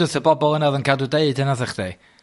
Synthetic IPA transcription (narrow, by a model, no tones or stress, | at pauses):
ʊθəbɔbɔlˠənaðənkʰadudeɨdənaðəχd̥e